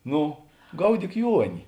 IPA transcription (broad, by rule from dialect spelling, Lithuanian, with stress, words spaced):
ˈnʊ ˈɡɐʊdʲiːk ˈjuɔnʲɪ